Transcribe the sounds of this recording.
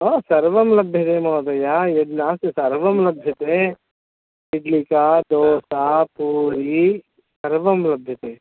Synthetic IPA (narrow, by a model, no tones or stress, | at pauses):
oːsɐɾʋɐmlɐbʱjɐt̪eːmɐːd̪ɐjaːjed̪naːssɐɾʋɐmlɐbʱjɐt̪eː | ɪɖlikaːd̪oːsapuːɾi | sɐɾʋɐmlɐbʱjɐt̪eː